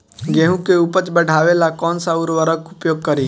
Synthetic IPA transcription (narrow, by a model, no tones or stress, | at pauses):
ɡeːɦũkeupət͡ʃbəɽ̤ʱaːʋelakɔːnsaʊɾʋəɾəkʊpjoːɡ̚kəɾiː